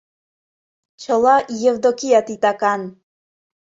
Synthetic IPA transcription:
t͡ɕʰəlˠɑjevd̪okijat̪it̪ɑkɑn

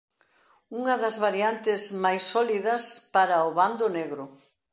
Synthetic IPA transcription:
uŋɐðɐzβaɾiant̪ɪzmajsːɔliðɐspaɾɐʊβand̪ʊneɣɾʊ

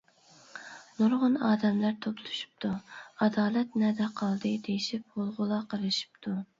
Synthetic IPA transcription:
nuɾʁʊnɑːd̪ɛmlæɾt̪ʰoplˠu̥ʃu̥p̚t̪ʰuɑd̪ɑːlɛt̪nɛd̪ɛqʰɑlˠd̪ɨd̪ejiʃip̚holˠʁʊlˠɑqʰəɾɨʃi̥p̚t̪ʰu

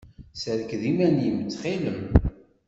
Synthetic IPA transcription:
sæðkðimænjəmət͡sːχiləm

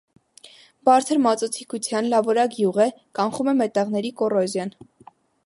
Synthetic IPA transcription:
bɑɾt͡sʰəɾmɑt͡sɔt͡sʰikʰut͡sʰjɑnlɑvɔɾɑkjuʁɛkɑŋχumɛmɛt̪ɛʁnɛɾikɔrɔzjɑn

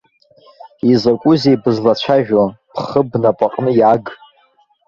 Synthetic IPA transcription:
izakʷʼʊzejbɨzlat͡ʃʷʰaʒᶣopʰχəbnapʼaqʼnɨjaɡ

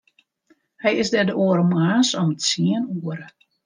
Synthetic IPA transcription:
hɛjɪsdɛdəuəɾəmaːsɔmətsiənuəɾə

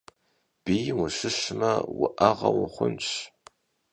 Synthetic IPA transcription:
b̥ijwʊɕɪɕmɐwʊʔɐʁɐ̰wʊχʷʊnɕ

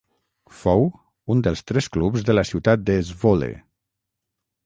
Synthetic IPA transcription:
fow | und̪əlˠst̪ɾɛsklupzðələsiwt̪at̪̚d̪əːzβolḛ

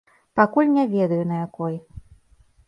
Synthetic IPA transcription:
pakulʲnʲɛvʲɛd̪ɐjunɐjakɔj

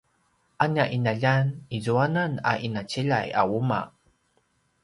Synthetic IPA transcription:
ʔaɲaʔinaʎanizuanana̰ʔinat͡ɕiʎa̰ja̰wuma̰

